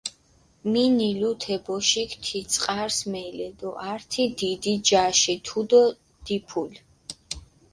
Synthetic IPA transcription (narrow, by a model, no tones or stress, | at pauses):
minilut̪ʰɛbɔʃikt̪ʰit̪sʼqʼaɾsmɛilɛd̪ɔʔaɾt̪ʰid̪id̪id͡ʒaʃit̪ʰud̪ɔ | d̪̥ipʰul